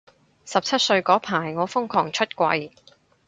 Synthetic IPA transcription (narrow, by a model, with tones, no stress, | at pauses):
sɐ˨p̚t͡sʰɐ˥t̚sɵ˧ɥkɔː˨˥pʰaː˨˩jŋɔː˨˧fʊ˥ŋkʰɔː˨˩ŋt͡ʃʰɵ˥t̚kʷɐ˧j